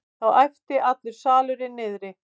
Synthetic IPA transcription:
θawajft̪ɪʔat̪lʏɾ̥saːlʏɾɪnːɪːðɾɪ

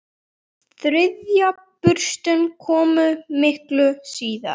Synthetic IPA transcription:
θɾɪðja | pʏɾ̥st̪ʏnkʰɔːmʏmɪhklʏsiːða̰̥

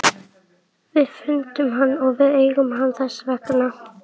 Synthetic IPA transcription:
vɪðfʏnt̪ʏmɦanːɔɣvɪðejɣʏmɦanðasvɛkna

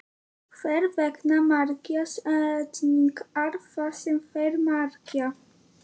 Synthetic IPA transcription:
fɛɾvɛknamaɾkjasatnikaɾfasemfɛɾmaɾkja

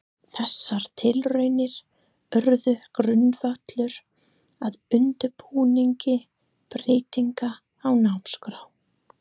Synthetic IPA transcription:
θɛsːaɾ̥t̪ʰɪlrœɥnɪɾ̥ | œɾðʏkɾʏnːvat̪lʏɾ | aðʏnt̪ʏɾpʰuːniɲcɪ | pɾɪːt̪iŋkaː | wnawmskɾaw

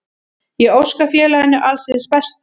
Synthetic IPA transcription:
jɛɣowskafjɛːlaɛnːɪʔalsɪspɛst̪

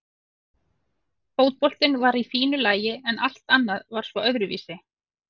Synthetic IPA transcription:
foːwt̪̚pɔl̥t̪ɪnvaɾifiːnʏlaːjɪɛnal̥t̪anːaðvaɾ̥svɔœðɾʏvḭːsɪ

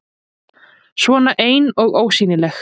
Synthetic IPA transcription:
svɔːnaʔeːjnɔɣoːwsiːnɪlɛx

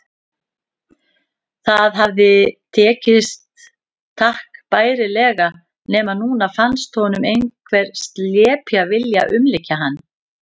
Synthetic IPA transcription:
θaðɦavðɪt̪ʰɛːcɪst̪ʰː | ahkpaːjɾɪlɛːɣa | nɛːmaðnuːnafanst̪hɔnʏmejnkʰvɛɾ̥st̪ljɛːpjavɪlja̰ʔʏmlɪcːaɦanː

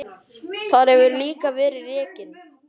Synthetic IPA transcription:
θaɾhɛvʏɾliːkavɛːɾɪrɛːcɪn

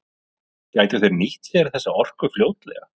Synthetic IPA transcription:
caːjt̪aθɛɾnɪht̪vɛːɾaθɛsːaɔr̥kʏfljoːwt̪lɛ̰ɣa̰

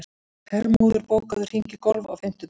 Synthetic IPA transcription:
kɛrmowðʏɾpoːwkaðʏr̥iɲcɪkɔlva̰wfɪm̥t̪ʏ

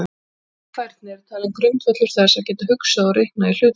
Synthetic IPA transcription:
kʰvajɾt̪̚nɪɛɾ̥t̪ʰaːlɪmkɾʏmt̪vœt̪lʏɾ̥θɛðasɛvcɛːt̪ahʏksaðɔɾihknail̥ʏːt̪

